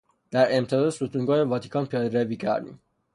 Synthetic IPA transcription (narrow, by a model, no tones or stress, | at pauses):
d̪̥æɾemt̪ʰɛd̪ɒd̪sut̪ʰuŋɡɒːjevɒt̪ʰi̥kʰɒnpʰijɒːd̪ɾeviːcʰæ̰ɾd̪ḭm